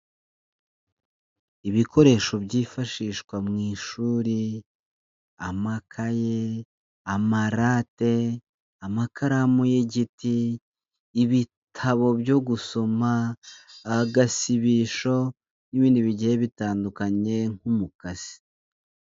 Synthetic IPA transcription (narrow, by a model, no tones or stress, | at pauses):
iβikʰo̞ɾe̞ːʃo̞bɟiːfaʃiːʃkwamŋiːʃuːɾi | amakʰaje | amaɾaːte̞ | amakʰaɾamujeɟitiː | βitʰaβo̞bjo̞ɡuso̞maː | ɡasiβiʃo̞ | niβiːndiβiɟijeβitaːndukaɲe̞ŋhumukaz̥i̥